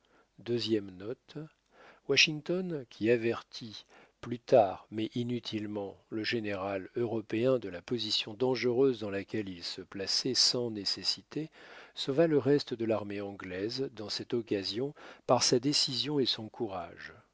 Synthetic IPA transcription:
d̪øzjɛmnɔt̪ | waʃiŋt̪ɔnkʲʰiavɛʁt̪ʰiplyt̪aʁmɛʔinyt̪ʰilmɑ̃ləʒeneʁaløʁɔpeɛ̃d̪əlapɔzisjɔ̃d̪ɑ̃ʒəʁøzd̪ɑ̃lakʲɛlilsəplasɛsɑ̃nesesit̪esovaləʁɛst̪əd̪əlaʁmeɑ̃ɡlɛzd̪ɑ̃sɛt̪ɔkazjɔ̃paʁsad̪esizjɔ̃esɔ̃kʰuʁa̰ʒ

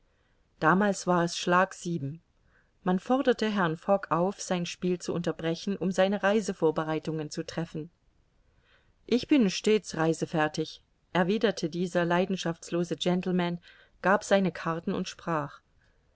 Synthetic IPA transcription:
d̥aːmaːlsv̥aːɐɛsʃlaːkz̥iːbm̩ | manfɔɐdɐtəɦɛɐnfɔkʰʔaʊfz̥aɪnʃpiːlt͡suʔʊntɐbʁɛçn̩ʔʊmzaɪnəʁaɪzəfoːɐbəʁaɪtʊŋənt͡sutʁ̥ɛfn̩ | ʔɪçb̥ɪnʃteːt͡sʁaɪzəfɛɐtɪç | ʔɛɐviːdɐtʰədiːzɐlaɪdn̩ʃaft͡sloːzəd͡ʒɛntl̩man | ɡ̥aːpz̥aɪnəkʰaɐtn̩ʊ̰ntʃpʁ̥aːχ

